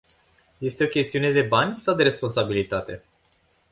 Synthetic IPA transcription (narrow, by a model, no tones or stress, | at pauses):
je̞st̪e̞o̞kʲe̞st̪iune̞d̪e̞banʲsawd̪e̞ɾe̞spo̞nsabilit̪at̪e̞